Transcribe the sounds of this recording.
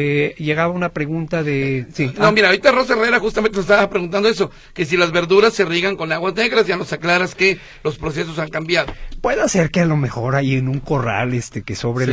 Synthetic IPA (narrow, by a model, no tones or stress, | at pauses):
eʝe̞ɣaβaunapɾe̞ɣunt̪aðesinomiɾaɾit̪aro̞s̬aereɾaxust̪ament̪ensstaβapɾeɣunt̪̬and̪oes̬o̞ | ke̞s̬ilazβe̞ɾðuɾasːe̞riɣaŋko̞naɣwazne̞ɣɾazʝano̞saklaɾaske̞ | lo̞spɾos̬e̞s̬o̞saŋkambjaðopwe̞ðase̞ɾkealo̞me̞xo̞ɾajenũŋko̞ra̰lest̪ekeso̞βɾe